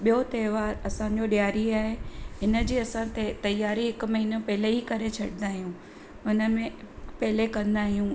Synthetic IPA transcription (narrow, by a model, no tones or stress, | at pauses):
ɓijot̪eːʋaːɾɐsãɲ̆d͡ʑoɗijaːɾiaːɦeɪnə̆d͡ʑiːɐsãt̪et̪ɐjːaːɾiɦɪkmɐɦiːnəpɦɪleɦikɐɾet͡ɕʰɐɽɪ̃nd̪aːɦijũ | ʊnə̆mẽpɐɦɪlekɐ̃nd̪aːɦijũ